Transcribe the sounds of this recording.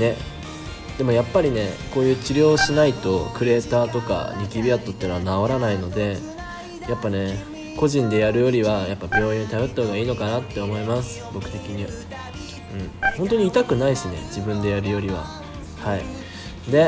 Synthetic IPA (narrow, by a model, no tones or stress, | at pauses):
ne̞ | d̪̥e̞mo̞japːaɾʲine̞ko̞ːjɯ̟ːt͡ɕiɾʲo̞ːɕinait̪o̞kɯ̟ɾe̞ːt̪aːt̪o̞ka̰ɲʲikʲibʲiat̪ːo̞t̪ːeːnanao̞ɾanaino̞d̪e̞ | japːane̞ | ko̞ʑĩnd̪e̞jaɾɯ̟jo̞ɾʲiβajapːabʲo̞ːĩot̪abo̞t̪ːaho̞ːɡaiːno̞kanat̪ːe̞o̞mo̞imasɨ̥bo̞kɯ̟̥t̪e̞kʲiɲ̟ia | ɯ̟̃ɴhont̪̬o̞ɲ̟iːt̪akɯ̟naisɨne̞̰d͡ʑibɯ̟̃nd̪e̞jaɾɯ̟jo̞ɾʲiβa̰ | hai | d̪e̞